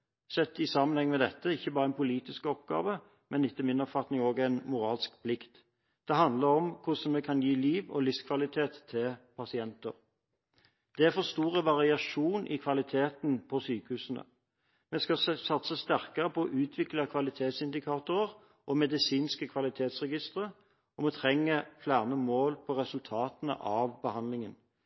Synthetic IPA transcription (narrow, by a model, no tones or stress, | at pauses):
sɛt̪ːɪsɑːmənhɛŋmɛd̪ɛt̪ːəɪçːəbɑːʁəɛnpʊliːt̪ɪskɔpɡɑ̰ːʋə | mʔɛnɪt̪ːəmɪnɔpfɑt̪nɪŋoːɡæɪnmʊɾɑːlskpʰlɪkt̪ | d̪̥ɛɦɑnd̪ləɾɔmkʰʊsɔnmɛkʰɑnjiːliːʋɔ̰lɪfskʰʋɑlɪt̪ʰeːt̪ʰːɪlpʰɑsɪɛnt̪əʁ | d̪̥ɛæɾfɔst̪uːʁəʋɑʁɪɑʂuːnʔɪ̰kʰʋɑlɪt̪ʰeːt̪npʰɔsyːkəhʉːsənə̰ | mɛskɑsɑt̪səst̪æʁkəʁəpʰɔɔʔʉːt̪ʰʋɪklɑkʰʋɑlɪt̪ʰeːt̪sɪnd̪ɪkʰɑːt̪ʊʁəʁ | ʔɔmɛd̪ɪsiːnskəkʰʋɑlɪt̪ʰeːt̪sʁɛɡɪst̪əʁə | ɔmɛt̪ʰʁɛŋːəflæːʁnəmoːlpʰɔʁɛsʉlt̪ʰɑːt̪ənə̰ʔɑʋbəhɑnd̪lɪŋən